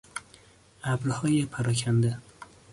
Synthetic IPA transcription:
abɾhɒjapʰaɾɒkʲʰand̪ɪ

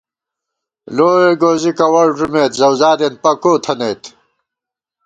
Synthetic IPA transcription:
loːweɡoːzikɐwɐɽʐumeːt̪zɐwzaːd̪enpɐkoːt̪ʰɐnejt̪

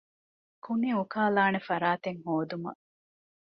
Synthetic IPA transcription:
kuniukaːlaːnefɐɾaːt̪eŋhoːd̪umɐ̰

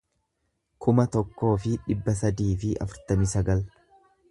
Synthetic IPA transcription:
kʰʊmɐt̪ɔkːo̞ːfɪᶑɪbːɐs̬ɐd̪iːfɪʔɐ̰fʊɾt̪ɐmɪsɐɡɐl

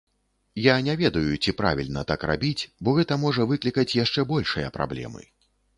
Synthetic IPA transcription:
janʲɛvʲɛd̪ɐjut͡sʲipɾa̰vʲilʲnɐt̪akɾa̰bʲit͡sʲbɔɣɛt̪ɐmɔʐɐvɨklʲikɐt͡sʲjaʂt͡ʂɛbɔlʲʂɨjɐpɾa̰blʲɛ̰mɨ̰

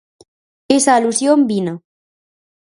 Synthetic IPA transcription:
esaːlusjombina

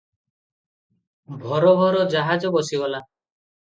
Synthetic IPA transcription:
bʱɔɾɔbʱɔɾɔd͡ʒaɦad͡ʒɔbɔsibɔla

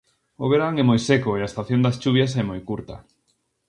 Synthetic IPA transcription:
oβeɾaŋɛmojsɛkʊeaest̪aθjond̪ɐst͡ʃuβjɐs̬ɛmojkuɾt̪ɐ

